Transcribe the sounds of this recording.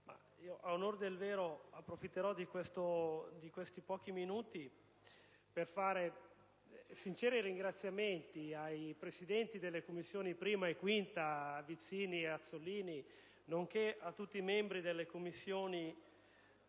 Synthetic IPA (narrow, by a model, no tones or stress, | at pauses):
ma̰ | iːoʔaunord̪elveːɾoapːɾofit̪ːeɾɔd̪ikwest̪od̪ikwest̪ipɔːk̟iminuːt̪i | perfaːɾe | sint͡ʃɛːɾiɾiŋɡɾat̪sːjament̪iajpɾesid̪ɛnt̪id̪elːekomːisːjoːnipɾiːmaekwint̪avit̪siːniat̪sːoliːni | noŋk̟eat̪ːut̪ːiːmɛmbɾid̪elːekomːisːjoːni